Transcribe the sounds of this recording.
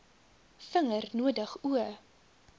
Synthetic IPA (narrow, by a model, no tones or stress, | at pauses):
fəŋərnuədəχuə